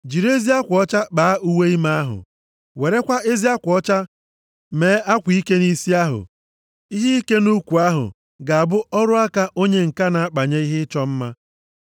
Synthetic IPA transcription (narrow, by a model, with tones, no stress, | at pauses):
d͡ʒi˨ɾe˦zi˦a˦kʷɔ˦t͡ʃa˦k͡paː˨a˦ʔu˦we˦i˦ma˦a˦ɦʊ̰˨ | we˨ɾe˦kʷa˦e˦zi˦a˦kʷɔ˦t͡ʃa˦ | me˨˦a˦kʷi˦ke˦ni˦si˦a˦ɦʊ̰˨ | i˦ɦi˦i˦ke˦nu˦kʷu˨a˦ɦʊ̰˨ | ɡa˨a˨bʊ˦ɔ˦ɾʊ˦a˦ka˦ʔo˦ɲe˦ŋ̩˨ka˦na˨a˦k͡pa˨ɲe˦i˦ɦɪ˦t͡ʃɔ˦m̩˦ma˦